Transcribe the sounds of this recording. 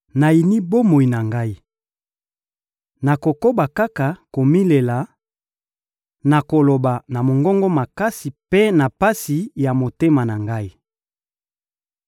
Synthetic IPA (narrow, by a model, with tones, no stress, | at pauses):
na˨i˨ni˦bo˦mo˨i˨na˨ŋɡa˦i˦ | na˨ko˨ko˦ba˨ka˦ka˨ko˨mi˦le˨la˨ | na˨ko˨lo˨ba˨na˨mo˨ŋɡɔ˦ŋɡɔ˦ma˨ka˦si˨pe˦na˨pa˦si˨ja˨mo˨te˦ma˨na˨ŋɡa˦i˦